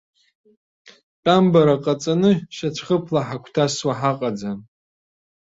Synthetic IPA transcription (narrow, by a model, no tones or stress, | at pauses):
t͡pʼambaɾaqʼat͡sʼanɨʃat͡ʃʷʰχəpʰlaħakʷʰtʰaswaħaqʼad͡za